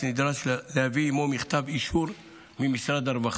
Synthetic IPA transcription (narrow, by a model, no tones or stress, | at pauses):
nɪd̪ɾaʃlhvimomɪxt̪abiʃuɾ | mimɪsɾad̪ɑɾˤbax